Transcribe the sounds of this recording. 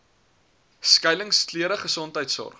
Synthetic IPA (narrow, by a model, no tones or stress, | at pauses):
skɐjləŋskliəɾəχəsɔntɦəjtsɔ̰r